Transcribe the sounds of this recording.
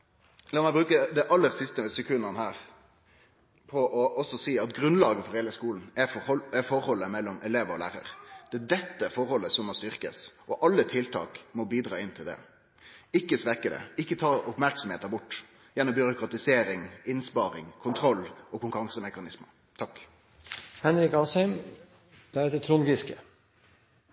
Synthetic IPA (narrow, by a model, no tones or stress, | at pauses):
lɑːmɛɪbɾʉːkəd̪ɛʔɑlːəɾsɪst̪əsɛkʰʉnːɑnəhæːɾ | pʰɔʔɔʔɔsɔsiːɑt̪ɡɾʉnlɑːɡəfɔɾheːləskuːln̩ɛɛfɔɾhɔlːəmɛlːɔmʔɛleːʋəɾɔlæ̰ːɾə̰ɾd̪̥ɛd̪ɛt̪ːəfɔɾhɔlːəsɔmːɔst̪ʏʁkə̰sʔɔʔɑlːət̪ʰɪlt̪ʰɑ̰ːkmɔbiːd̪ɾɑːɪnt̪ʰɪld̪ɛ̰ | ɪkːəsʋɛkəd̪ɛ̰ɪkːət̪ʰɑːɾɔpmæɾksɔmheːt̪əbʊʈː | jænɔmbʏɾʊkɾɑt̪ɪseːɾɪŋɪnspɑːɾɪ̰ŋkʰʊnt̪ʰɾɔlːʔɔkʰʊŋkəɾʁɑŋsəmɛkɑnɪsmə | t̪ʰɑk | hɛnɾɪkɑːsœm | d̪̥ɛɛt̪ət̪ʰɾunɡɪskə